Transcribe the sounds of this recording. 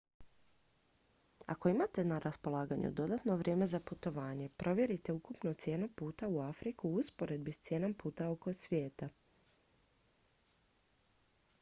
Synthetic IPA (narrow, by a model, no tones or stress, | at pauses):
a̰ko̞imat̪e̞naɾaspo̞lˠaːɡaɲṵd̪o̞d̪at̪no̞ʋɾʲje̞ːme̞zaput̪o̞ʋaːɲe̞pɾʔo̞ʋje̞ɾit̪e̞ukupnot̪sje̞ːnupuːt̪auafɾikuuspo̞ɾe̞d̪̚bist̪sjeːnompuːt̪ao̞ko̞sʋjeːt̪a